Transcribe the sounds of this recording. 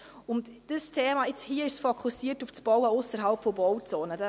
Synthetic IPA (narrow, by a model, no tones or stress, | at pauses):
ʊntd̥əstʰeːmaɪt͡shiəɪʃsfokʰusiːtuft͡sb̥ɔwəʊsəɾɦalpfɔbɔwt͡soːnəda